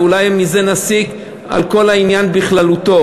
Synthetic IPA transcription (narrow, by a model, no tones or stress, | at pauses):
ulajmːize̞nasik | a̰lko̞lainjanbiχlalut̪o̞